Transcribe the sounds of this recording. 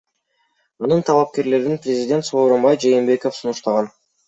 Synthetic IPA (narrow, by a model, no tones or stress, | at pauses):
ɑnɯnt̪ʰɑlˠɑp̚ke̞ɾle̞ɾinprʲɪzʲɪd̪ʲt̪so̞ːɾo̞mbɑjd͡ʒe̞jːmbe̞ko̞fsunuʃt̪ɑʁɑn